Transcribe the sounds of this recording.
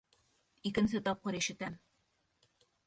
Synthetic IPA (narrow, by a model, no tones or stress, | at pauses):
ikɘ̆ns̬ɘt̪ɒp̚qɤɾiʃɘ̆t̪æm